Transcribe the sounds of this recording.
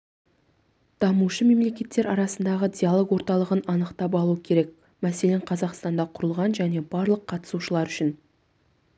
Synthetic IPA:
d̪̥ɑmuʃəme̞mle̞kʲe̞t̪ːe̞ɾɑɾɑsənd̪ɑʁəd̪ʲijalˠo̞ɡwo̞ɾt̪ɑlˠəʁənɑnəqt̪ɑp̬ɑlˠuəkʲʰe̞ɾe̞k̚ | mæse̞le̞ɴqʰɑzɑqst̪ɑnd̪ɑqʰʊɾəlˠʁɑnʒæne̞bɑɾlˠəqʰːɑt̪ə̥suʃəlˠɑɾʏʃɪn

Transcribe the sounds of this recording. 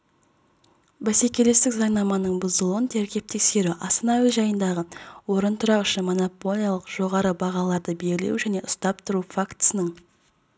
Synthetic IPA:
bæse̞kʲe̞le̞st̪ɪkzɑɴnɑmɑnəɴbʊzəlˠənt̪ʰeɾkʲe̞p̚t̪e̞kse̞ɾuʔɑst̪ənɑwizʒɑjənd̪ɑʁəwo̞ɾənt̪ʰʊɾɑqʏʃɪnmo̞no̞po̞lʲˠijalˠəqʒ̥o̞ʁɑɾəbɑʁɑlˠɑɾd̪əbe̞lɡʲɪlḛwʒæne̞ʔʊst̪ɑp̚t̪ʰʊɾufakt̪ə̥sənəɴ

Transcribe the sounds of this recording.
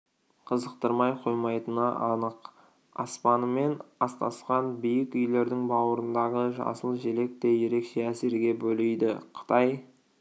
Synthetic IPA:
qʰəzəqt̪əɾmɑjqʰo̞jmɑjt̪ənɑʔɑnəq | ɑ̰spɑnəme̞nɑst̪ɑsqɑnbijɪkʏjle̞ɾd̪ɪŋbɑwəɾənd̪ɑʁəʒɑ̰səlˠʒe̞le̞k̚t̪e̞je̞ɾe̞kʃe̞æseɾɡʲe̞bɵlejd̪ɪqʰə̥t̪ʰɑj

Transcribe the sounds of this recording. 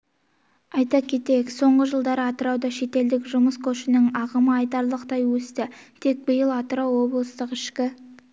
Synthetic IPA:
ɑjt̪ɑkʲʰe̞t̪ejɪkso̞ɴʁəʒəlˠd̪ɑɾəɑt̪əɾɑwd̪ɑʃe̞t̪e̞ld̪ɪkʒʊməskʰoʃɪnɪŋɑʁəməɑjt̪ɑɾlˠəqt̪ɑjwɵst̪ɪt̪ʰe̞k̚bəjəlˠɑt̪əɾɑwːo̞blˠəst̪əqɪʃkʲɪ

